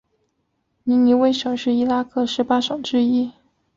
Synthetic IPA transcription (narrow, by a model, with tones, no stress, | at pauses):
ni˧˥ni˧˥we˥˩ɪʂɤ˧˥ŋʂɻ̩˥˩i˥la˥kʰɤ˥˩ʂɻ̩˧˥pa˥ʂɤ˨˩ŋʈ͡ʂɻ̩˥i˥